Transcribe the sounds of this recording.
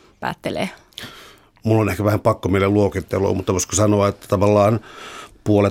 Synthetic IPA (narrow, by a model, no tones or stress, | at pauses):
pæ̰ːt̪ːelḛː | mulːonehkæʋæhæmpɑkːomielelluokit̪ːelo̰ːmut̪ːɑkoskosɑnoɑet̪ːæ̥t̪ɑʋɑlːɑːnpuole